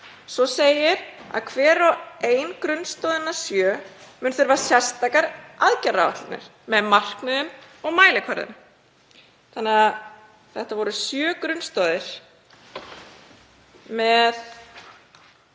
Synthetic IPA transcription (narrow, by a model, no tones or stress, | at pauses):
sɔseːjɪɾa̰ðkʰvɛːɾɔeːjnkɾʏnst̪ɔːðɪnːasjœːmʏnθʏɾvaɾasjɛ̥st̪ajkaɾaðcɛrava̰ht̪ɪnɪ̰ɾ̥ | mɛðmar̥knɪðʏm | ɔɣmaːjlɪkʰvaɾðʏ̰m | θanːɪa | θɛht̪avɔɾʏsjœːkɾʏnst̪ɔːðɪɾ̥ | mɛð